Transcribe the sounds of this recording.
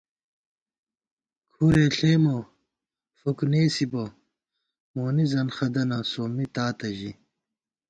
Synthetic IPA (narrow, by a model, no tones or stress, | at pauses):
kʰuɾeɬeːmo | fukuneːsibo | moːnizɐnxɐd̪ɐnɐsoːmit̪aːt̪ɐʑi